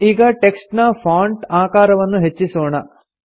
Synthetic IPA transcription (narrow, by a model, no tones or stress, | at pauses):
iːɡɐʈeksʈnɐpʰaːɳʈaːkaːɾɐʋɐnːuɦet͡ʃːisoːɳɐ